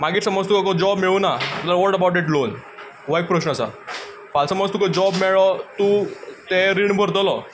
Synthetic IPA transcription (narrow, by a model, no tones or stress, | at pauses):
maɡiːʈsəmɔd͡zt̪ukɔkɔd͡ʑɔbmeɭunat̪aɾʋɔʈəbawʈ̚ɛʈ̬lon | ʋak̚pɾəɕnəəsa̰ | falsəmɔd͡zt̪ukɔd͡ʑɔbmeɭɔt̪ut̪eɾiɳbʱəɾt̪ɔlɔ